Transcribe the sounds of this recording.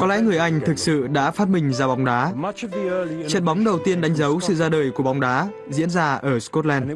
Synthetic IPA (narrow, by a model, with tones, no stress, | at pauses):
kɔ˨˦lɛ̰˧˥ŋɨ˨˩əjʔa˧jŋ̟t̪ʰɨ˨˩k̚sɨ̰˧˨ɗa̰ː˧˥faː˦˥t̚mï˨˩ŋ̟zaː˧˩ɓa˨˦wŋ͡mɗaː˨˦ | t͡ɕə˨˩t̚ɓa˨˦wŋ͡mɗə˨˩wt̪i˧ənɗa˨˦jŋ̟zə˨˦wsɨ̰˧˨zaː˧ɗəː˨˩jku˧˩ə˩ɓa˨˦ŋ͡mɗaː˨˦ | zḭ˧˥ənzaː˧ʔəː˧˩skɔ˦˥t̚lɛ˧nn